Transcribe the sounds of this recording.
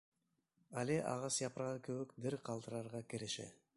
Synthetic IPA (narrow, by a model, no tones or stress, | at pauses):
ɑleʔɑ̰ʁɑsjɑpɾɑʁɯkʰøβøkbiɾqʰɑlˠd̪ɯɾɑɾʁɑkeɾeʃḛ